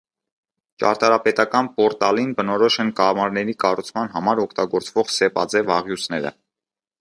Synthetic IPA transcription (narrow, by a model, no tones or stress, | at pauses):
t͡ʃɑ̰ɾt̪ɑɾɑpɛt̪ɑkɑnpɔɾt̪ɑlinbənɔɾɔʃɛnkɑmɑɾnɛɾikɑrut͡sʰmɑnɦɑmɑɾɔkʰt̪ɑɡɔɾt͡svɔʁsɛpɑd͡zɛvɑʁjusʰnɛɾə̰